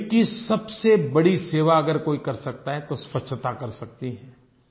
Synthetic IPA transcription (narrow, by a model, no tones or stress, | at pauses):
kisɐbsebɐɽiseːʋaɐɡəɾkoːikɐɾsɐk̚t̪aɦɛt̪ospɐtːʃʰt̪akɐɾsɐk̚t̪iɦɛː